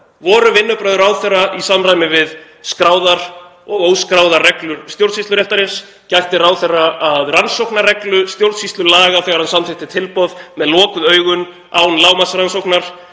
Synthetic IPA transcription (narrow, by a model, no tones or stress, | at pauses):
vɔːɾʏvɪnːʏpɾœɥðʏɾaːwθɛraʔisamrajmɪvɪð | skɾaːwðaɾ̥ | ɔɣowskɾawðarɛklʏɾ̥st̪jowɾt̪sist̪lʏɾɛft̪aɾɪns | cajht̪ɪraːwθɛrːaʔaðransowknarɛklʏst̪jowɾt̪sist̪lʏlaːɣaθɛɣaɾhansamt̪ɪht̪ɪt̪ʰɪlpɔðmɛðlɔːkʏðœːɥɣʏn | aːwnlaːwmasɾansowknaɾ̥